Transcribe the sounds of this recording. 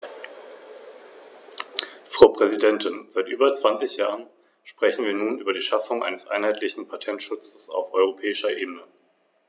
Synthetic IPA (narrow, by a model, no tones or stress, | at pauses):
fʁ̥aʊpʁ̥ɛzidɛntʰɪnzaɪtʔyːbɐt͡sv̥ant͡sɪçjaːʁən | ʃpʁ̥ɛçn̩viːɐnuːnʔyːbɐdiːʃafʊŋʔa̰ɪnəsʔa̰ɪnhaɪtʰlɪçn̩pʰatʰɛntʃʊt͡sə̥sa̰ʊfʔɔʏʁ̞opʰɛːɪʃɐʔeːbənə